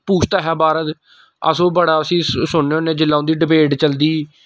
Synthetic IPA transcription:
puːt͡ʃʰt̪aːɦɛːbaːɾət̪ | ə̰sõːbəɽaːəsĩːsʊɳːeːoːnẽːd͡ʒɪlːaːõnd̪iːɖɪpeːʈt͡ʃəld̪iː

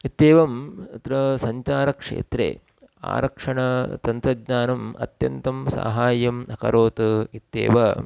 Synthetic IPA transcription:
it̪ːeːʋɐmɐt̪ɾɐsɐɲt͡ʃaːɾɐkʂḛːt̪ɾḛː | a̰ːɾɐkʂɐɳɐt̪ɐnt̪ɾɐdɲaːnɐmɐ̰t̪jɐnt̪ɐmsa̰ːɦaːjɐmɐkɐ̰ɾoːt̪ɐit̪ːḛːʋɐ

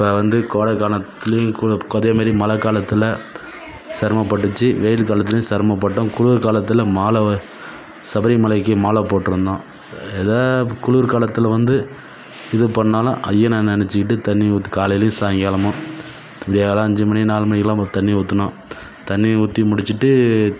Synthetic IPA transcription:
ɪpːɐʋɐnd̪ɯkoːɽɐkaːnɐt̪ːɪlɐjʊ̃kkɔðeːmaːɾimɐlɐkːaːlɐt̪ːɯlɐ | sɐɾmɐpːɐʈːɯt͡ʃːɯʋejɪlkaːlɐt̪̬ːɪlɐjʊ̃sɐɾmɐpːɐʈːʊ̃kʊɻʊʋɾkaːlɐt̪ːɯlɐmaːlɐ | sɐbɐɾɪmɐlɐɪk̬ːɯmaːlɐpːoːʈːɯɾɯnd̪ãː | ɛðaːkʊɭʋɾkaːlɐt̪ːɯlɐʋɐnd̪ɯ | ɪðɯpɐnːaːlɐ̰̃ʔɐjːɐnannɛnɛt͡ʃːɪkɪʈːɯt̪ɐnːit̪ːkaːlɐjɪlɐjʊ̃saːŋɡɪjaːlɐmʊ̃ | t̪ɪɽɪjaːɐlãːɐɲd͡ʒɯmɐɳinaːlmɐnɪɣɐlãːt̪ɐnːiʊt̪ːɯnõ | t̪ɐnːiʊt̪ːimʊɽɪt͡ʃːɯʈːɯ

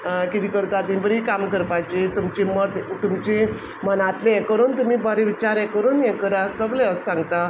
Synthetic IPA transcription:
kit̪ikəɾt̪at̪ĩbəɾikamkəɾpajt͡ɕet̪umt͡ɕemət̪t̪umt͡ɕe | mənat̪leɛ̃kəɾuːnt̪umiːbʱaɾeʋit͡ɕaɾɛkəɾuːnjɛ̃kəɾasəɡlẽəssãŋɡt̪a

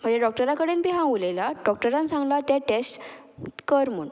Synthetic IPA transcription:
m̤əɳd͡ʑeɖɔk̚ʈəɾãkəɽenbʱiɦãulelaɖɔk̚ʈəɾãnsãŋɡlat̪jaʈesʈkəɾmuɳ

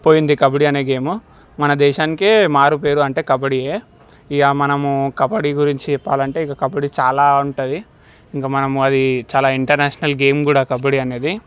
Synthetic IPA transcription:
po̞ːjind̪ikɐbɐɽiɐneːɡe̞ːmu | mɐnɐd̪ɛːʃaːnikemaːɾupe̞ːɾuɐɳʈe̞ːkɐbɐɽieː | ijaːmɐnɐmukɐbɐɽiɡuɾiɲt͡ʃiɛpːaːlɐɳʈe̞ːikːɐkɐbɐɽit͡ʃaːlaːuɳʈɐd̪i | iŋkaːmɐnɐmuɐd̪it͡ʃaːlaːiɳʈɐɾneːʂɐnɐlɡe̞ːmkuːɽaːkɐbɐɽiɐne̞ːd̪i

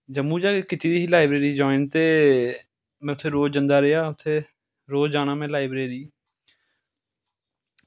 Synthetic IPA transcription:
d͡ʒəmuːd͡ʒaːkekɪt̪iːd̪iːɦiːlaːɪbɾeːɾiːd͡ʒoːɪnt̪eː | mɛ̃ʊt̪ʰeːɾoːd͡ʒənd̪aːɾɪjaːʊt̪ʰeː | ɾoːd͡ʒaːñãːmẽːlaːɪbɾeːɾiː

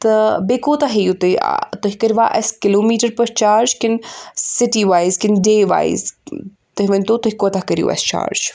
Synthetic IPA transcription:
t̪ɐbeːkoːt̪aɦejut̪ɐ̰t̪ʊɦikɐɾʋaːʔɐ̰skɪloːmiːʈəɾpɐɾt͡ʃaːɾd͡ʒkɪnsɪʈiʋaːizkɪnɖeːʋa̰ːḭz | t̪ɐɦʲiʋɐnʲt̪oːt̪ʊɦikoːt̪aɦkɐɾjṵːɐ̰st͡ʃa̰ːɾd͡ʒ

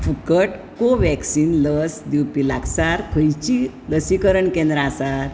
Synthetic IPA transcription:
fukəʈkoʋɛksinləsd̪iwpilaɡsaɾkʰəjt͡ɕi | ləsikəɾəɳkɛ̃nd̪ɾaːsaɾ

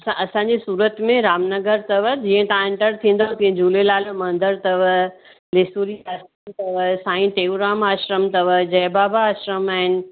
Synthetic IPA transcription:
sãʔɐsãɲd͡ʑisuːɾət̪mẽɾaːmnɐɡəɾt̪ɐʋəd͡ʑiːə̃t̪ãẽɳʈəɾt̪ʰĩːn̆d̪okĩd͡ʑuːlelaːlmɐ̃nd̪əɾt̪ɐʋə | lɪsuːɾiɐɾəmt̪ɐʋəsãːĩʈeːuɾaːmaːʃɾəmt̪ɐʋəd͡ʑɐːbaːbaːʃɾəmaːɦɪnɪ̆

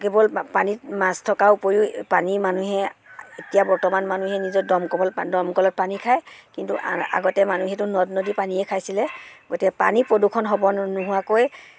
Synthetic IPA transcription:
kebɔlpanitmastʰɔkaupoɹiʊpanimanuɦɛetijabɔɹtɔmanmanuɦɛnizɔdɔmkɔbɔldɔmkɔlɔt̚panikʰajkintuʔa̰ɡɔtɛmanuɦɛtʊnɔdnodipaniɛkʰajsilɛɡotikɛpa̰nipɹodukʰːɔnɦɔbɔnuɦʊwakoj

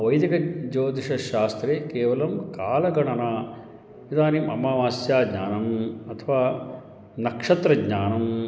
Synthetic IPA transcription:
ʋɐjd̪ikɐd͡ʒoːt̪iʂɐʃaːst̪ɾeːkeːʋɐlɐmkaːlɐɡɐɳɐna | id̪aːnimɐ̰maːʋaːsjaːɡɲaːnɐmɐt̪ʰɐʋaː | nɐkʂɐt̪ɾɐɡɲaːnɐm

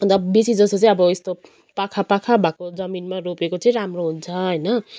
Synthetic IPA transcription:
nd̪ʌbesid͡zʌst̪ot͡sʌĩʌbʌest̪o | pakʰapakʰabʱakod͡zʌminmaropekot͡sʌĩɾamroɦunt͡sʰʌɦʌjnʌ

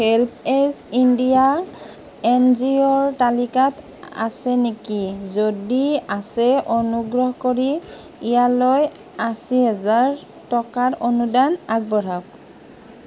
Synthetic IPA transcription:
hɛlpʰesindija | ɛnziɔɹtalikat | a̰sɛnekizodiasɛʔonuɡɹɔɦkoɹi | ijaloj | asiɦɛzaɹ | tɔkaɹonudanaɡ̚bɔɹak̚

